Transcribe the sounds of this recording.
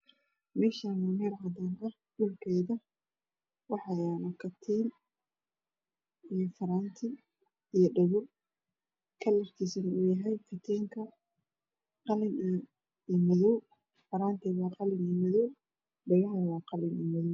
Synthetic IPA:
mɛːʃaːnʊnɛɾʕɐd̪aːnɐh | ɗʊlkʰɛjðɐ | wɑħɑjaːnɐkʰɐt̪ʰiːn | ijɔfɐɾaːnt̪ʰɪ | ijɔɖɐɣɔ | kʰɐlɐrkʰiːsɐnuːjɐɦɛjfɪt̪ʰɛːŋkʰɐ | qɑlɪn | imɐðɔw | fɐɾaːnt̪ʰɛwɑːqɑlɪnimɪðɔw | ɖɐɣɔɦɐnɐwɑːqɑlɪnimɐðɔw

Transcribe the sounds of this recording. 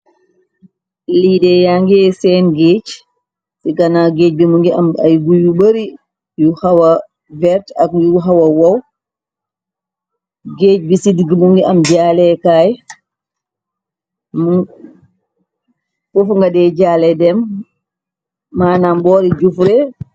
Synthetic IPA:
lidɛjaŋɡsɛnɡeːt͡ʃ | siɡanaɡeːt͡ʃ̚bimuŋɡia̰majɡujubəɾi | juhawa | bɛɾtakjuɦawawaw | ɡet͡ʃ̚bisidiɡimuŋɡiamd͡ʒaːlɛkaj | mu | fufŋɡadɛd͡ʒaːlɛdɛm | aːnambɔɾid͡ʒufɾɛ

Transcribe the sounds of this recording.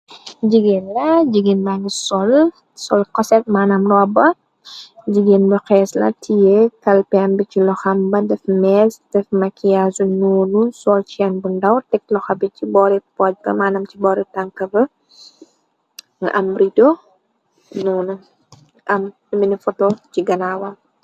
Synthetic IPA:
d͡ʒiɡenlɐɟiɡenbaɲisɔl | sɔlkɔsɛt̚maːnɐmrɔbɐ | d͡ʒiɡenbɐxɛːslɐ̰tʰijekɐlpɛɐmbit͡ʃilɔxɐmbɐdɛfmɛsd̥ɛfmɐkiasunoːnusɔlt͡ʃiɛnbundɐwtɛk̚lɔxɐbicibɔɾipɔc̚bɐmaːnɐmt͡ʃibɔːɾitaŋkɐbɐ | ŋ̰ʔɐmridɔ | nɔːnu | ʔɐm | ɐminifɔtɔt͡ʃiɡɐnawɐ

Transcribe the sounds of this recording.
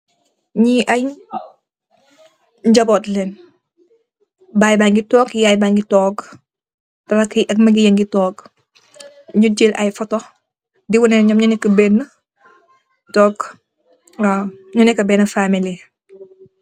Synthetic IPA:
ɲiʔɐj | ɲd͡ʒɐbɔtlɛn | baːjbaŋɡitɔːɡjajbaŋɡitɔːk | tɐɾɐkʔɐk̚mɐɡijɐŋɡitɔːɡ | ɲud͡ʒilʔɐ̰jfɔtɔ | diwunɛnɲɔmɲɐnɛkːəbɛnːə | tɔːɡ | aɲunɛkːɐbɛːnɐfamili

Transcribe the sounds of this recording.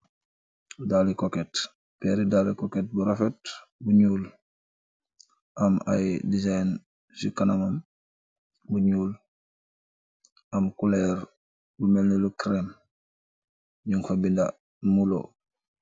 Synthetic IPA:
dalikokɛt | pɛɾidalikoket̚buɾafɛt | buɲuːl | ʔama̰jdizajn | sikanamam | buɲuːl | ʔamkulɛɾ | bumelnilukɾem | ɲuŋfabinda | mulo̰

